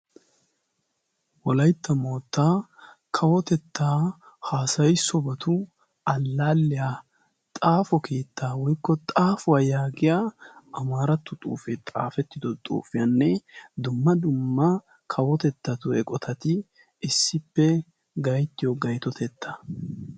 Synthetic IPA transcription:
wɔlɐjt̪ːɐmoːt̪ːaː | kʰɐwɔt̪ɛt̪ːaː | haːsɐjsɔbɐt̪ʰʊ | ɐlːaːlːɪjaː | t̪ʼaːfɔkʰeːt̪ːaːwɔjkːɔt̪ʼaːfʊwaːjaːɡɪjaːɐmaːɾɐt̪ːʊt̪ʼṵːfɛt̪ʼa̰ːfɛt̪ːɪd̪ɔt̪ʼṵːfɪjɐnːɛd̪ʊmːɐd̪ʊmːɐ | kʰɐwɔt̪ɛt̪ːɐt̪ʊɛkʼɔt̪ʰɐt̪ɪ | ɪsːɪpːɛ | ɡɐjt̪ːɪjɔɡɐjt̪ɔt̪ʰɛt̪ʰːḁ

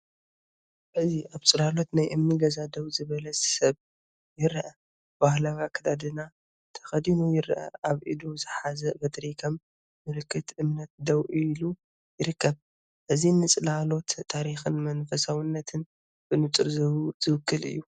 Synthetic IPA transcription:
ʔɨziʔaβt͡sʼɨlalo̞t̪najʔɨmniɡɐzad̪ɐwzɨβɐlɐsɐβ | jɪɾʔɐ | b̥ahlawakʰɐd̪ad̪ɨna | t̪ʰɐ̥xɐd̪inujɪɾʔɐ̰ʔaβʔid̪uzɨħazɐbɐt̪ɾikʰɐmː | ɨlɨkːɨt̪ʔɨmnɐt̪̚d̪ɐwʔilu | jɪɾɨkʰːɐβ | ʔɨzinɨt͡sʼɨlalo̞t̪ʰːaɾixɨnmɐnfɐsawɨnːɐt̪ʰɨn | b̥ɨnɨt͡sʼɨɾzɐwuzɨwɨkːɨlɨ̰jːu

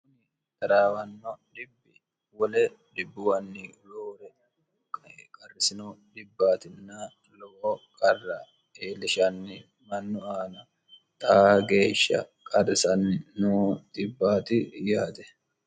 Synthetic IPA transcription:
kʊnɪ | t̪ɐɾaːwɐnːɔd̪ɪbːɪ | wɔlɛd̪ɪbːʊwɐnːɪloːɾɛ | kkʼɐrːɪsɪnɔd̪ɪbːaːt̪ɪnːa | lɔɔkʼɐrːɐ | eːlɪʃɐnːɪ | mɐnːʊaːnɐ | t̪ʼaɡe̞ːʃːɐ̰kʼɐrːɪsɐnɪnuːd̪̥ɪbːaːt̪ɪjaːt̪ɛ

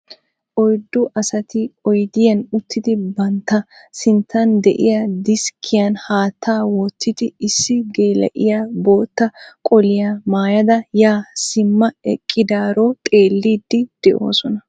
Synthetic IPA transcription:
ʔɔjd̪ːʊʔɐsɐt̪ɪɔjd̪ɪjɐnʊt̪ʰːɪd̪ɪbɐnt̪ːɐsɪnt̪ːɐnd̪ɛ̰ʔɪ̰jɐd̪ɪskʰːɪjɐnhaːt̪ʰːaːwɔt̪ːɪd̪ɪɪsːɪɡe̞ːlɛ̰ʔɪjabo̞ːt̪ːɐkʼɔlɪjamaːjɐd̪ɐjaːsɪmːɐɛ̰kʼːɪd̪aːɾot̪ʼe̞ːlːiːd̪ːɪd̪̥ɛʔo̰ːsɔnɐ

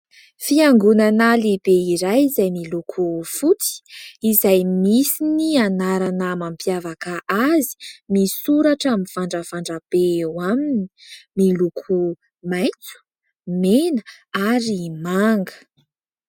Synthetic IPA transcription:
fiaŋɡunanalib̥eiɾajizajmilukʰufut͡si̥izajmisinianaɾanamampjavakaʔazi̥misuɾaʈ͡ʂaminfaɳɖ͡ʐəfaɳɖ͡ʐab̥eewamini̥milukʰu | maj̃t͡su̥ | menə̥aɾimaŋɡə̥

